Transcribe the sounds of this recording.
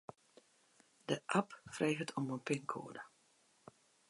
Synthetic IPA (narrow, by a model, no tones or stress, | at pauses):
dəʔapfreːɣətʰɔmənpɪŋkʰo̰ːədə